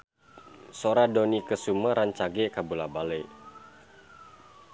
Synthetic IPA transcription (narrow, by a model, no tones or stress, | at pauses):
soɾadonikəsuməɾaɲt͡ʃaɡekabulabale